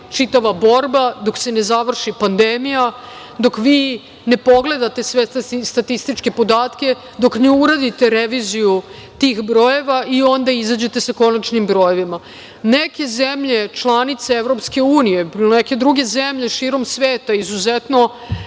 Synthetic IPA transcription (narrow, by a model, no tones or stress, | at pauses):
t͡ʃit̪aʋabo̞ɾbad̪o̞kse̞ne̞zaʋr̩ʃipand̪emija | d̪o̞kʋiː | ne̞po̞ɡle̞d̪at̪e̞sʋe̞st̪at̪ist̪it͡ʃke̞po̞d̪aːt̪ke̞ | d̪o̞knuuɾad̪it̪e̞ɾeʋiziju | t̪iːxbɾo̞je̞ʋaio̞nd̪aizad͡ʑe̞t̪e̞sako̞nat͡ʃnimbɾo̞jeʋima | neke̞zemʎe̞t͡ʃlˠanit̪seeʋɾo̞pske̞uːnije̞pneke̞d̪ɾuɡe̞zemʎe̞ʃiːɾo̞msʋeːt̪aizuzet̪no̞